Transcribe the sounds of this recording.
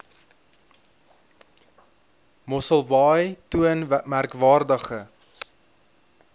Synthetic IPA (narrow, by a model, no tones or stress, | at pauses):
mɔsəlˠvɑjtuənmærkvɑːrdəχə